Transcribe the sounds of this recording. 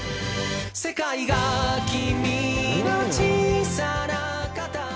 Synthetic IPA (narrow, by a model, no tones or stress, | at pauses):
sekajɣakiminat͡ʃisaɾa | kat̪a